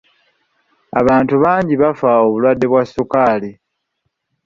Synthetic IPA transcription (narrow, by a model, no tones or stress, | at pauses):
a̰βaːntuβaːɲɟiβafaoβulwadːe̞βwasːukaːli